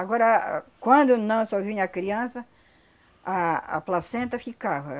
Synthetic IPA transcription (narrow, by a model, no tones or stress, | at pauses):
aɡɔɾɐkwɐ̃nd̪ʊnɐ̃w̃soviwɲɐkɾiɐ̃sɐ | a̰ːplasẽnt̪ɐfikavɐ